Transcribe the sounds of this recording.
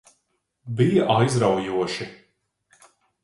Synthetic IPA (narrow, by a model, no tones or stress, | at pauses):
bijaʔajzɾawjuɔʃi